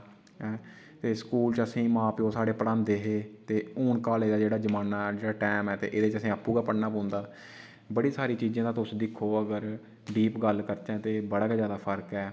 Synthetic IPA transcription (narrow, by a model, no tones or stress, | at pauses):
ɛː | t̪eːskuːlt͡ʃəsĩːmãːpioːsaːɽeːpəɽãnd̪eːɦeːt̪eːuːɳkaːleːd̪aːd͡ʒeːɽaːd͡ʒəmaːnaːd͡ʒeːɽaːʈɛːmɛːt̪ḛːʔeːd̪eːt͡ʃəsĩːəpːuːɡaːpəɽnaːpɔ̃ːnd̪aː | bəɽiːsaːɾiːt͡ʃiːzãːd̪aːt̪ʊsd̪ɪkʰːoːəɡəɾ | ɖiːpɡəlkəɾt͡ʃãːt̪eːbəɽaːkeːzjaːd̪aːpʰəɾkɛː